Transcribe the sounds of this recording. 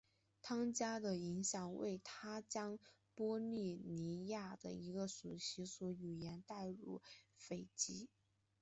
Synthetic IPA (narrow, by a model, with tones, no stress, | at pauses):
t̪ʰɑ˥ŋt͡ɕja˥d̪ə˨i˧˥ŋɕjɑ˨˩ŋwḛ˥˩ɪt̪ʰa˥t͡ɕjɑ˥ŋ | pwɔ˥li˥˩ni˧˥ja˥˩d̪ə̰˩i˧˥ɡə˧su˨˩ɕi˧˥swɔ˧˥y˨˩jɛ˧˥nt̪a˥˧ɪɻṵ˥˩fe˨˩ɪt͡ɕi˥